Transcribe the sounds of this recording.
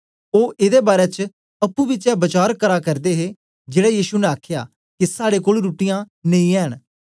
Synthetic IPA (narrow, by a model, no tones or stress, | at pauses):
oːʔɪd̪eːbaːɾɛːt͡ʃ | ɐpːũːbɪt͡ʃɛːbət͡ʃaːɾkəɾaːkəɾd̪eːɦeː | d͡ʒeːɽɛːjiːʃunɛ̃aːkʰja̰ː | kisaːɽeːkoːlɾuːʈɪjãː | nẽĩːɛːɦəɳ̃